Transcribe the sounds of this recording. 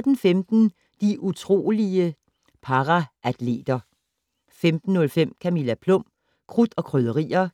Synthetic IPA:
d̥en̩femd̥n̩ | d̥iʔut͡sʰʁo̝̰ːliə | pʰɑ̈ʁɑʔæd̥le̝̰ːd̥ɐ | femd̥n̩ːɔ̽lfem̰kʰæmilæpʰlɔ̽m̰ | kʰʁud̥ɒ̽kʰʁøðˠəʁḭːɐ

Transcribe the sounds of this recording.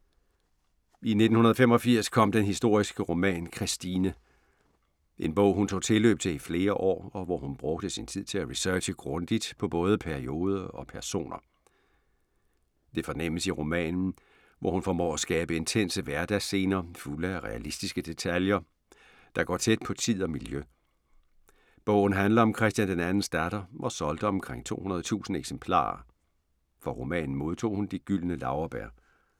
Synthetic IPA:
ine̝d̥n̩hunɐð̞̩ˠfemɒ̽fiɐ̰skʰɒ̽m̰d̥enɦisd̥o̝ɐ̰isɡ̥əʁo̝mɛ̰ːnkʰʁisd̥iːnə | ʔe̝nb̥ɔ̽ʊ̰ɦunt͡sʰo̝̰ːt͡sʰe̝lø̰ːb̥̚t͡sʰeifle̝ːɐʔɒ̰ːɒ̽ʋɒhunb̥ʁɔ̽ɡ̥d̥əsint͡sʰið̰ˠt͡sʰe̝læʁisœɐːɕəɡ̥ʁɔ̽nd̥id̥pʰɒ̽b̥ɔ̽ːð̞ˠəpʰæɐio̝ːð̞ˠɐɒ̽pʰæɐso̝̰ːnɐ | d̥e̝fɒ̽nem̰əsiʁo̝mɛ̰ːnn̩ | ʋʔɒ̰hunfɒmɔ̰ːæsɡ̥ɛːb̥əe̝nt͡sʰen̰səʋæɐd̥æse̝̰ːnɐfuləʁɛælisd̥isɡ̥əd̥e̝t͡sʰæljɐ | d̥ɑ̈ɡ̥ɒ̰ːt͡sʰed̥̚pʰɒ̽t͡sʰið̞̰ˠɒ̽miljø | b̥ɔ̽ʊ̰n̩ɦænlɐɒ̽mkʰʁɛsd̥jænd̥enænn̩sd̥æɾ̥ɐʔɒsɒ̽ld̥əɒ̽mkʰʁeŋ̰t͡sʰo̝̰ːhunɐð̞̩ˠt͡sʰṵːsn̩eɡ̥sempʰlɑ̰̈ːɐ | fɒ̽ʁo̝mɛ̰ːnn̩mo̝ð̞ˠt͡sʰo̝̰ːhund̥iɡ̥yl̰nəlɑ̈ʊɐb̥æɐ̰

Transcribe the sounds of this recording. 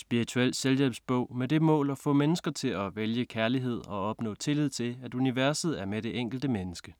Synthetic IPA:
sb̥iʁit͡sʰuel̰seljɛb̥sb̥ɔ̽ʊ̰med̥e̝mɔ̰̽ːlɒ̽fɔ̰̽ːmenəsɡ̥ɐt͡sʰe̝læʋeljəkʰæɐliɦe̝ð̞̰ˠɒ̽ɒ̽b̥nɔ̰̽ːt͡sʰe̝lið̞̰ˠt͡sʰe̝læd̥uniʋæɐsð̞̩ˠæɐmeɾ̥e̝ʔeŋ̰ɡ̥l̩d̥əmenəsɡ̥ə

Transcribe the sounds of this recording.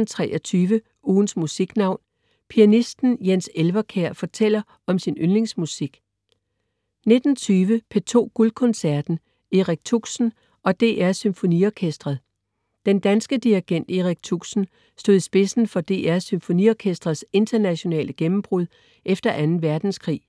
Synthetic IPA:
n̩t͡sʰʁɛ̰ːɒt͡sʰyːʋə | uːn̩smusiɡ̥nɑ̈ʊ̰n | pʰiænisd̥n̩jenselʋɐkʰeɐ̰fɒ̽t͡sʰel̰ɐ | ɒ̽msinønle̝ŋsmusiɡ̥ | ne̝d̥n̩t͡sʰyːʋəpʰe̝t͡sʰo̝̰ːɡ̥ulkʰɔ̽nsæɐd̥n̩ | eʁaɡ̥̚t͡sʰuɡ̥sn̩ | ɒ̽d̥e̝̰ːʔæɐsymfo̝niɒkʰesd̥ʁɐð̩ˠ | d̥end̥ænsɡ̥əd̥iiɡ̥en̰d̥eʁaɡ̥̚t͡sʰuɡ̥sn̩ | sd̥o̝ð̰ˠisb̥e̝sn̩fɒ̽d̥e̝̰ːæɐsymfo̝nḭɒkʰesd̥ʁɐðˠse̝nd̥ɐnæɕo̝nɛ̰ːlʔəɡ̥emm̩b̥ʁuðˠ | ʔefd̥ɐʔænn̩ʋæɐd̥n̩skʰʁḭː

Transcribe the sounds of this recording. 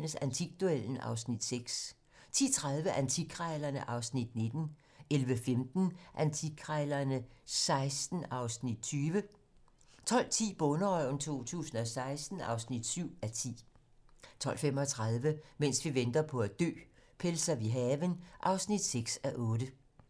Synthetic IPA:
nəsænt͡sʰiɡ̥d̥uel̰n̩ɑ̰̈ʊsnid̥seɡ̥s | t͡sʰḭːt͡sʰʁað̞ˠʋəʔænt͡sʰiɡʰʁɛɪlɐnəʔɑ̈ʊsnid̥ne̝d̥n̩ | elʋəfemd̥n̩ʔænt͡sʰiɡʰʁɛɪlɐnəsɑ̈ɪsd̥n̩ɑ̈ʊsnid̥̚t͡sʰyːʋə | t͡sʰɒ̽l̰t͡sʰḭːb̥ɔ̽nəɒɪnt͡sʰo̝̰ːt͡sʰṵːsn̩ɒ̽sɑ̈ɪsd̥n̩ɑ̈ʊsnid̥syʊ̰æt͡sʰḭː | t͡sʰɒ̽l̰fem̰ɒt͡sʰʁɑð̞ˠʋəmen̰sʋiʋend̥ɐpʰɒ̽æd̥ø̰ːpʰelsɐʋiɦɛːʋənʔɑ̈ʊsnid̥seɡ̥sæʔɔ̽ːdə

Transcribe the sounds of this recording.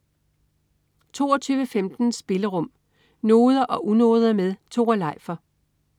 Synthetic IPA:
t͡sʰo̝̰ːɒt͡sʰyːʋəfemd̥n̩sb̥e̝ləʁɔ̽m̰ | no̝ːð̞ˠɐʔɒ̽ʔuno̝ːð̞ˠɐmeð̞ˠt͡sʰo̝̰ːælɑ̈ɪ̰fɐ

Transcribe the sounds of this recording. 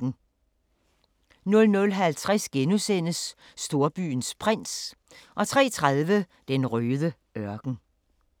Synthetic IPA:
n̩ | nɔ̽lnɔ̽lɦælt͡sʰʁasɡ̥enusen̰əsː | d̥o̝ɐb̥y̰ːnspʰʁen̰s | ʔɒ̽t͡sʰʁɛ̰ːt͡sʰʁað̞ˠʋə | d̥enʁøːðˠə | ɶɐɡ̥n̩

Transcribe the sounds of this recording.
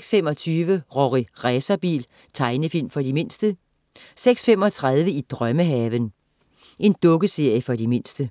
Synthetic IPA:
sɡ̥sfem̰ɒ̽t͡sʰyːʋəʁɒʁiʁɛsɐb̥ḭːl | t͡sʰɑ̈ɪnəfil̰mfɒ̽dime̝n̰sd̥ə | seɡ̥sfem̰ɒ̽t͡sʰʁað̞ˠʋəid̥ʁɶməɦɛːʋən | ʔe̝nd̥ɔ̽ɡ̥əse̝ɐ̰jəfɒ̽dime̝n̰sd̥ə

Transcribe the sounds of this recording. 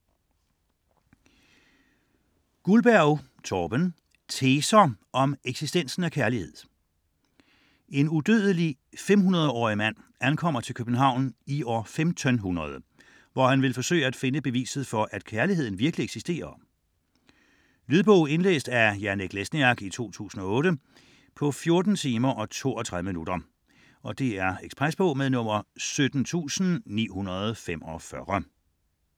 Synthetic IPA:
ɡ̥ulb̥æɐʊt͡sʰɒːb̥ən | t͡sʰeːsɐɒ̽meɡ̥sisd̥en̰sn̩ækʰæɐlihe̝ð̰ˠ | e̝nud̥øð̞ˠəli | fem̰hunɐð̞ˠɒ̰ːimæn̰ænkʰɒ̽m̰ɐt͡sʰe̝lkʰøb̥n̩ɦɑ̈ʊ̰niɒ̰ːfemt͡sʰœnɦunɐð̞ˠ | ʋɒhænʋe̝lfɒ̽sø̰ːɪəæd̥fe̝nəb̥e̝ʋḭːsð̞̩ˠfɒ̽ʔæd̥kʰæɐliɦe̝ð̞̰ˠn̩ʋiɐɡ̥əlieɡ̥sisd̥e̝̰ːɐ | lyðˠb̥ɔʊ̰e̝nlḛːsd̥æjæɐneɡ̥lesniɑɡ̥it͡sʰo̝̰ːt͡sʰṵːsn̩ɒ̽ɔ̽ːɾə | pʰɒ̽fjo̝ɐd̥n̩t͡sʰiːmɐʔɒ̽t͡sʰo̝̰ːɒt͡sʰʁaðˠəminud̥ɐ | ɒ̽d̥e̝æɐeɡ̥spʰʁasb̥ɔʊmeðˠnɔ̽m̰ɐsød̥n̩t͡sʰṵːsn̩nḭːhunɐð̞̩ˠfem̰ɒ̽fɶʁɐ

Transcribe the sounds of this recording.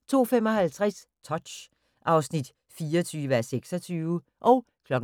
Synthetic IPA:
t͡sʰo̝̰ːfemɒ̽ɦælt͡sʰʁast͡sʰɒ̥ɕ | ʔɑ̈ʊsnid̥ | fiːɐɒt͡sʰyːʋəæɐseɡ̥sɒt͡sʰyːʋə | ʔɒ̽ʊ | kʰlɒ̽ɡ̥

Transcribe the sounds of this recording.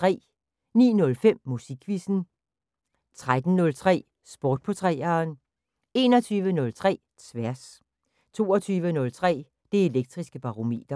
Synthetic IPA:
t͡sʁɛ̰ː | nḭːnɔ̽lfem̰ːusiɡ̥ʰʋisn̩ | t͡sʰʁad̥n̩nɔ̽lt͡sʰʁɛ̰ː | sb̥ɔːd̥̚pʰot͡sʰʁɛ̰ːɐːn | e̝nɒt͡sʰyːʋənɔ̽lt͡sʰʁɛ̰ː | t͡sʰʋæɐs | t͡sʰo̝̰ːɒt͡sʰyːʋənɔ̽lt͡sʰʁɛ̰ː | d̥e̝e̝leɡ̥̚d̥ʁisɡ̥əb̥ɑ̈ʁo̝me̝̰ːd̥ɐ

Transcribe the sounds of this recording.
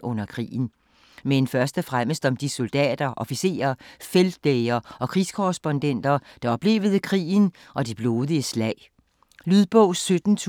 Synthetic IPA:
ʔɔ̽n̰ɐkʰʁḭːn̩ | menfɶɐsd̥əfʁaməsd̥ɒ̽md̥iso̝ld̥ɛ̰ːd̥ɐʔɒ̽fise̝̰ːɐfeld̥ːeɪɐɒ̽kʰʁḭːskʰɔʁɛsb̥ɔ̽nd̥en̰d̥ɐd̥ɑ̈ɒ̽b̥le̝̰ːʊð̞̩ˠəkʰʁḭːn̩ | ʔɒ̽dib̥lo̝ːðˠiəslɛɪ̰ | lyðˠb̥ɔʊ̰sød̥n̩t͡sʰ

